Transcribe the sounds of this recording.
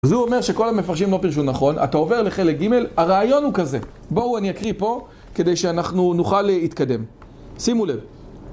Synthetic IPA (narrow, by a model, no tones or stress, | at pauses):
azuome̞ʁʃe̞ko̞lhame̞faʁʃimlopiʁʃ̬unaχo̞na̰t̪ao̞ve̞ʁle̞χe̞lek̚ɡime̞laʁaːjo̞nhukaze̞ | bo̞uaniakʁipo̞ | ke̞de̞jʃeanaχnunuχalit̪kade̞m | simulev